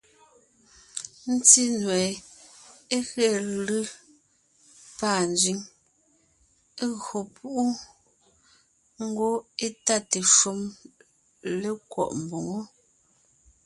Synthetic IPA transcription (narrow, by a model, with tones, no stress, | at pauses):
n̩˦ti˦nwɛː˨ | e˦ɣɛ˨lɯ˦ | pa˦˨n˨d͡ʒɥi˨˦ŋ | e˦ɣo˨pʰu˦ʔu˦ | ŋ̩˦ɡo˦e˦ta˦te˨ʃu˦m | le˦kwɔ̰˦˨ʔm˨bo˨ŋo˦